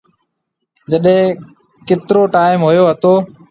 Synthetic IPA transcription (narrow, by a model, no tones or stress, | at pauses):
d͡ʒəɗɦẽː | kɪt̪ɾoːʈaːɪmɦʊjoːɦət̪oː